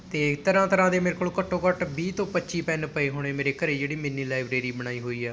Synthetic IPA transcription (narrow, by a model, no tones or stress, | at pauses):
t̪eːt̪əɾãːt̪əɾãːd̪eːmeːɾekoːlkəʈʰːõːkəʈbiːt̪õːpətːt͡ʃiːpɛːnpəeːɦoːɽ̃eːmeːɾeːkəɾeːd͡ʒeːɽiːmɪnːiːlaːɪbɾeːɾiːbəɽ̃aːiːɦoːiːɛː